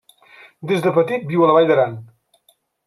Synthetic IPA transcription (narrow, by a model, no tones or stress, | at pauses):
d̪ezðəpət̪it̪̚biwələβajðəɾan